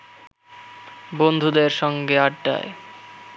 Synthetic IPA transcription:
bond̪ʱud̪eɾʃɔŋɡeaɖːa̰e

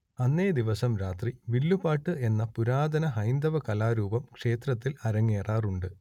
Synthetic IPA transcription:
ɐnːeːd̪iʋɐsɐmɾaːt̪riʋilːupaːʈːɨe̞nːɐpuɾaːd̪ɐnɐɦɐjnd̪ɐʋɐkɐlaːɾuːbɐmkʂe̞ːt̪rɐt̪ːilɐɾɐŋːeːraːruɳɖɨ

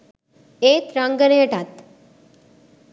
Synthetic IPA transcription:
et̪ɾãŋɡəneəʈat̪

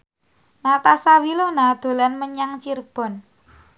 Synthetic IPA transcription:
nat̪asawilonad̪̥o̤lanməɲaŋt͡ʃirb̥ɔ̤n

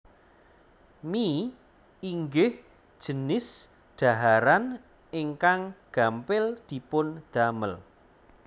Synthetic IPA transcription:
mi | iŋɡɪh | d̥ʒ̥ə̤nɪs | ɖ̪̥a̤ɦaɾan | eŋkaŋɡ̥a̤mpɪld̪̥i̤pʊnd̪̥aməl

